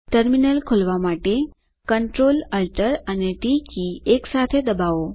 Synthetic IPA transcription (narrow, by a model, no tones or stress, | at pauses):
ʈəɾminəlkʰolʋamaʈe | kəɳʈɾoləlʈəɾaneʈikieksat̪ʰed̪əbaʋo